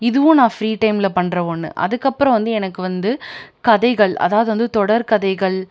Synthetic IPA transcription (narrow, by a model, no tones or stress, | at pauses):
ɪðɯʋʊ̃nãːfɾiːʈɐɪmlɐpɐɳɾɐʋonːɯ̰ʔɐ̰ðɯkːɐpːɯɾɐ̃ʋɐnd̪ɯɛnɐkːɯʋɐnd̪ɯkɐðɐɪɣɐɭɐ̰ðaːʋɐðɯʋɐnd̪ɯt̪ɔɽɐɾkɐðɐɪɣɐɭ